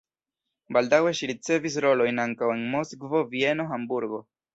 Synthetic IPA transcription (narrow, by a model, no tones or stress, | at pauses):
baldawe̞ʃiɾit͡se̞vis̬ɾo̞lo̞jnaŋkawe̞nmosɡvo̞vie̞no̞ɦambuɾɡo̞